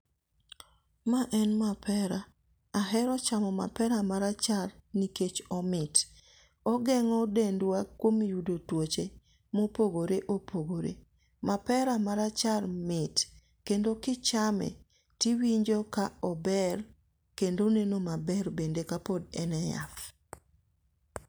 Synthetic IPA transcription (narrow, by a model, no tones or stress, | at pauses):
maʔɛnmapʰɛɾa | aɦɛɾɔt͡ʃamɔma̰pɛɾamaɾat͡ʃarniket͡ʃɔmɪt | ɔɡɛŋɔdendwakwomjudotwot͡ʃe | mopoɡoɾeʔopoɡoɾḛ | mapɛɾamaɾat͡ʃarmɪt | kendokɪt͡ʃamɛ̰ | tiwiɲd͡ʒɔkaɔbɛr | kendonenomabɛrbendekapodɛnɛja̰f